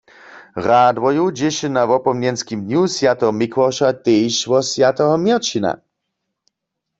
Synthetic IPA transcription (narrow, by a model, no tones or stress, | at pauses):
ʁad̪vɔjud͡ʑɪʃɪnavɔpɔmnjɛnskimd̪nusjat̪ɛɦɔmikʰwɔʁʃat̪ejʃvɔsjat̪ɛɦɔmjɛʁt͡ʃina̰